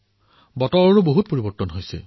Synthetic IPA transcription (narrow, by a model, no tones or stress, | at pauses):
bɔtɔɹɔɹuboɦut̪̚poɹibɔɹtɔnɦojsɛ̰